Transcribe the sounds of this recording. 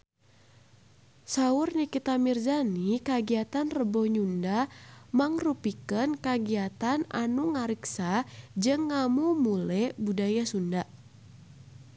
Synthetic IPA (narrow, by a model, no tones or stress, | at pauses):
saʊrnikit̪amird͡ʒanikaɡiat̪anrəbɔhɲundamaŋrupikənkaɡiat̪ana̰nuŋaɾiksad͡ʒɨŋːamumulɛbudajasundaʔ